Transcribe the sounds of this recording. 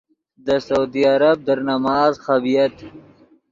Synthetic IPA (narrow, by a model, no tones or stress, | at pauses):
d̪əsawd̪iaɾab̚d̪əɾnamɑːzxabijat̪